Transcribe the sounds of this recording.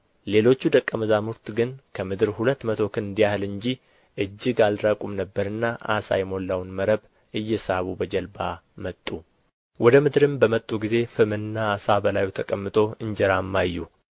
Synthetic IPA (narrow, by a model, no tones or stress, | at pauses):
le̞lo̞t͡ʃːud̪əkʼːəməzamuɾt̪ɡɨnkʰəmɨd̪ɨɾhulət̪ːmət̪ʰo̞kʰɨnnd̪ijahlɨɲd͡ʒi | ʔɨd͡ʒːɪɡalɾakʼumnəbːəɾɨnːaʔa̰sa̰jɛmo̞lːawnməɾəβ | ʔɨjːɛsaβubəd͡ʒəlbamət̪ʼːu | wɔd̪əmɨd̪ɨɾɨmbəmət̪ʼːuɡize̞fɨmɨnːaːsabəlajut̪ʰəkʼəmːɨt̪ʼo̞ɨɲd͡ʒɛɾamːajːu